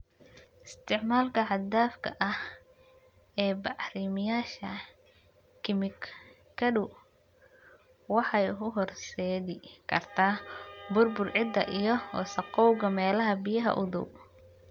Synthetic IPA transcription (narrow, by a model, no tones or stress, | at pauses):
ʔɪst̪ʰɪʕmaːlkʰɐʕɑd̪aːfkʰɐ̰ʔɐh | ɛːbɑʕɾimɪjaːʃɐ | kʰɪmɪk | kʰɐdʊ | wɑħɑjkʊɦɔrsɛːðɪkʰɐ̰rt̪ʰaːbʊrbʊrʕɪd̪ɐ̰ʔijɔɔ̰ːsɐqɔwɣɐmɛːlɐɦɐbijɐɦɐ̰ʔʊðʊ̰b